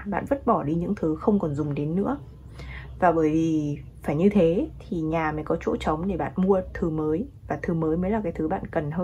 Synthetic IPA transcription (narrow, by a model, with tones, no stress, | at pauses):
ɓa̰ː˧˨nvə˦˥t̚ɓɔ˧˩ɗi˧ɲɨ̰˧˥ŋt̪ʰɨ˨˦xə˧wŋ͡mkɔ˨˩nzʊ˨˩ŋ͡mɗe˨˦nːɨ̰˧˥ə | vaː˨˩ɓəː˧˩jvi˨˩ | faː˧˩jɲɨ˧t̪ʰe˨˦t̪ʰi˨˩ɲaː˨˩mə˨˦jkɔ˨˦t͡ɕo̰˧˥t͡ɕə˨˦wŋ͡mɗe˧˩ɓa̰ː˧˨nmu˧ət̪ʰɨ˨˩məː˨˦jvaː˨˩t̪ʰɨ˨˩məː˨˦jməː˨˦jlaː˨˩kaː˨˦jt̪ʰɨ˨˦ɓa̰ː˧˨nkə˨˩nɦəː˧